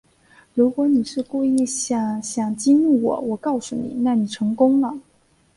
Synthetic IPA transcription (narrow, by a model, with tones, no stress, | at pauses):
ɻu˧˥kwɔ˨˧˥ni˨˩ʂɻ̩˥˧kwu˥˧i˥˩ɕjɑ˨˩ɕjɑ˨˩ŋt͡ɕi˥nu˥˩wɔ̰˨˩wɔ˨˩kɑ˥˩ʊsu˨˩nḭ˨˩˦na˥˩ni˨˩ʈ͡ʂʰɤ˧˥ŋkʊ˥ŋlə˨